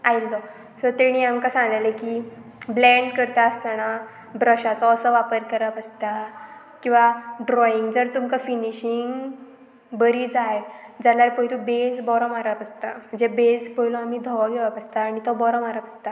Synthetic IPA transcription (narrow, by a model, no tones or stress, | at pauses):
ailːɔ | sɔɾt̪eɽ̃iamkasãŋɡlalekiblɛ̃ɳɖkəɾt̪aəst̪ana | bɾəɕat͡sɔːsɔʋapəɾkəɾapəst̪a | kĩw̃ʋaɖɾɔiŋɡd͡zəɾt̪umkafiniɕiŋɡ | bəɾiːd͡zaɦed͡zalaɾpəjlubed͡zbɔɾɔmaɾapəst̪am̤əɳd͡zebed͡zpɔilɔamiːd̪ʱɔʋɔɡʱeʋapəst̪aːɽ̃it̪ɔbɔɾɔmaɾapəst̪a